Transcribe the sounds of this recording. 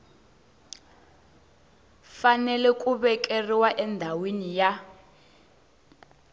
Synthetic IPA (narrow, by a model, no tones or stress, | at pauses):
fanɛlɛkʼuβɛkʼeriwaʔɛndʱawenija